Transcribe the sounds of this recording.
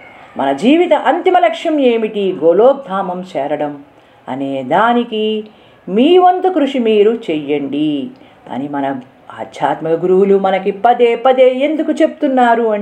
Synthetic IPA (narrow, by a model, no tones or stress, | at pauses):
mɐ̰nɐd͡ʒiːʋit̪ɐʔɐnt̪imɐlɐkʂjɐme̞ːmiʈiɡoːloːk̚d̪ʱaːmɐmt͡ʃɛːɾɐɽɐm | ɐ̰neːd̪aːniki | miːʋɐnt̪ukɾuʂimiːɾut͡ʃɛjːɐɳɖi | ɐ̰nimɐnɐ | a̰ːd̪ʱjaːt̪mɐɐɡuɾuwulumɐnɐkipɐd̪eːpɐd̪eːend̪ukut͡ʃepu̥t̪unːaːɾuɐ